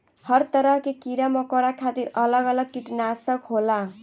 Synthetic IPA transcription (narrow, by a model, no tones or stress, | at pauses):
hʌɾt̪ʌɾʌɦkekiɾamʌkɔɾakʰat̪iɾʌlʌɡʌlʌɡ̚kiʈnasʌkɦola